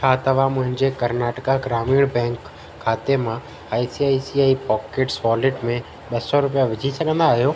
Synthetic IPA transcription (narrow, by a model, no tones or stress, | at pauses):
kʰaːt̪ɐʋãmʊ̃ɦɪ̃ɲd͡ʑekɐɾnaːʈəkaɡɾaːmiːɽ̃bɛ̃ːŋkʰː | aːt̪emã | aːisiaːisiaːipɔːkeʈsʋɔːlɪʈmẽ | ɓɐsɔɾʊp̬ijaʋɪd͡ʑʱisɐɠʱə̃nd̪aːɦijoː